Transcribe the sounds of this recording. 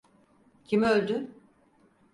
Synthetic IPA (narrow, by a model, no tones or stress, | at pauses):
cʰimølʲd̪y